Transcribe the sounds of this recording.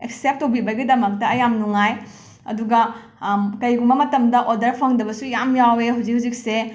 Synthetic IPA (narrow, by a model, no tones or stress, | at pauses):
eksep̚tːobibɐɡidɐmɐk̚tɐɐjamnuŋaj | ɐ̰duɡɐ | kɐjɡumɐmɐtɐmdɐʔodɐɾpʰɐŋdɐbɐsujamjaweɦuwd͡ʒikhud͡ʒik̚se